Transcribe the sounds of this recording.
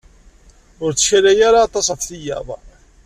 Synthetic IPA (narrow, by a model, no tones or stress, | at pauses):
ʊɾt͡sːə̥çæɾæjaɾaːt̪ˤɑsɑθθijɑ̰ðˤ